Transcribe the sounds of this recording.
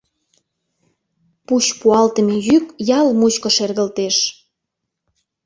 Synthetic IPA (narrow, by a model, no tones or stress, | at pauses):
put͡ɕpuɑlt̪əmejykjɑlmut͡ɕkŏʃerɣəlt̪eʃ